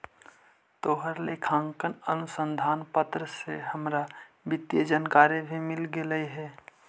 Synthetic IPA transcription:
t̪oːɦəɾlekʰãːŋkənənʊsə̃nd̪ʱaːnpət̪ɾəsehəmɾa | bɪt̪ːjəd͡ʒənkaːɾjebʱimɪlɡeləiɦɛː

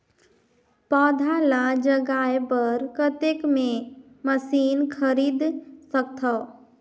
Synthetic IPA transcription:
pɔːd̪ʱaːlad͡ʒəɡaːjebəɾkət̪ekmẽ | məsiːnkʰəɾiːd̪sək̚t̪ʰa

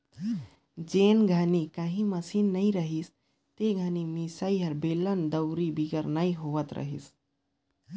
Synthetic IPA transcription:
d͡ʒeːnɡʱanikɐɦĩmɐsinːaĩɾəɦis | t̪eɡʱanimisaiɦɐɾbeːlənd̪əwɾibiɡəɾnaiɦoʋət̪ɾə̰ɦḭs

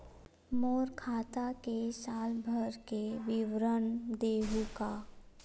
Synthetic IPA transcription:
moːɾkʰaːt̪akesaːlbʱəɾkeʋɪʋɾənd̪eːɦukaː

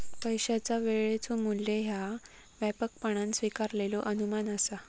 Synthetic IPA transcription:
pəjɕat͡saʋeɭet͡somulːeɦja | ʋɛpək̚pəɳ̃ãnsʋikaɾlelɔʔənumanəsa

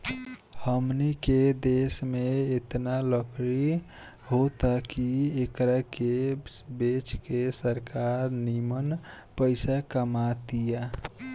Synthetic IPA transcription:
həmniked̪esmeet̪naləkɾi | ɦot̪akiekɾakebet͡ʃkesəɾkaɾnimən | pəɪsakəmat̪ija

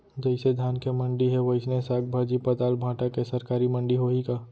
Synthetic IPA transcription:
d͡ʒɐɪsed̪ʱaːnkemɐ̃ɳɖiɦɛʋɐɪsnesaːɡ̚bʱad͡ʒipɐt̪aːlbʱãːʈakesɐɾkaːɾimɐ̃ɳɖiɦoikaː

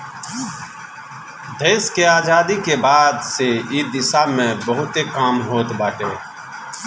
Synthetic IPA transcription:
d̪ʱeːskeːaːd͡ʒaːd̪iːkeːbaːd̪seːiːd̪ɪsaːmẽːbəɦʊt̪eːkaːmɦoːt̪baːʈeː

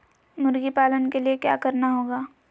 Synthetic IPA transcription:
mʊɾɡipaːlənkeliekja̰ːkɐɾnaɦoːɡaː

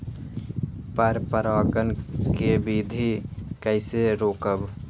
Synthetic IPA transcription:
pəɾpəɾaːɡənkebid̪ʱikəɪseɾoːkəb

